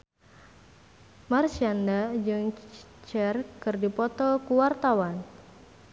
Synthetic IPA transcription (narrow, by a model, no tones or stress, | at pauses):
marsiandad͡ʒɨŋt͡ʃɛrkɨrdipɔt̪ɔkuwart̪awan